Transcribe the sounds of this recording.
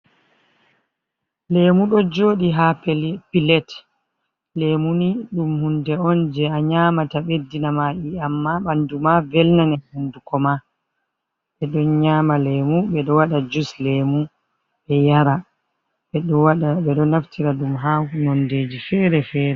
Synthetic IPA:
lemuɗɔd͡ʒoːɗiɦappilɛt | lemuniɗumhundɛɔnd͡ʒɛaɲamataɓedːinamaʔiamːaɓandumavɛlnanɛhundukɔma | ɓɛɗɔnɲaːmalemuɓɛɗɔwaɗad͡ʒuslemu | ɓɛjaɾa | ɓɛɗaɗaɓɛɗɔnaftʰiɾaɗumɦanɔndeːd͡ʒifɛɾɛfɛːɾɛ

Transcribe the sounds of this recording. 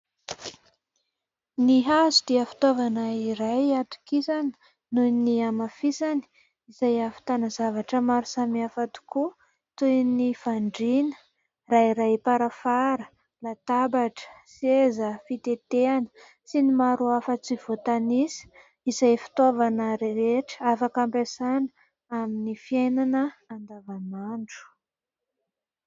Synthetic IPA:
niɦazud̪̥iəfi̥t̪ovanəiɾajat̪u̥kisanə̥ | nuniamafisani̥ | izajafi̥t̪anazavaʈ͡ʂəmaɾusamiafat̪u̥ku | t̪ujnifaɳɖ͡ʐinə̥ | raiɾajpaɾafaɾə | lat̪abaʈ͡ʂə̥sezəfit̪et̪eanə̥ | sinimaɾuafət͡siv̥ot̪anisə̥ | izajfi̥t̪ovanəɾɾeʈ͡ʂə̥afakampesanə | aminifiajnanəːnd̪avamaɳɖ͡ʐu̥

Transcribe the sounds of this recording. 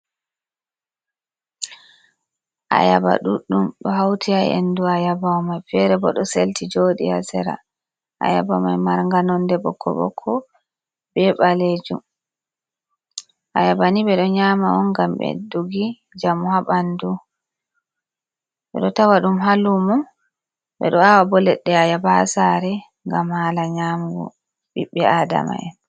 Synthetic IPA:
ʔa̰ja̰ba̰ɗuɗumɗɔɦawtʰiajɛ̰nduajabamajfɛɾɛbɔɗɔseltʰid͡ʒoːɗḭasɛɾa̰ | ʔa̰jabamajmaɾŋɡanɔndɛɓɔ̰kʰːɔ̰ɓɔ̰kʰːɔ | bɛɓaled͡ʒum | ʔajabaniɓɛɗɔɲaːmaɔnɡambɛ̰duɡi | d͡ʒamuhaɓandu | ɓɛ̰ɗɔtawaɗumɦalumɔ | ɓɛ̰ɗɔawabɔlɛɗːɛajabasaɾɛ | ŋɡamhalaɲamɡɔ̰ | ɓiɓːɛada̰ma̰j

